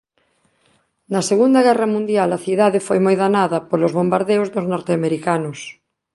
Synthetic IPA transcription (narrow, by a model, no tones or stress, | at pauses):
nɐseɣund̪ɐɣɛrɐmũnd̪jalɐθiðaðefojmojðanaðɐpolʊzβombaɾðewzðʊznɔɾt̪eameɾikanʊs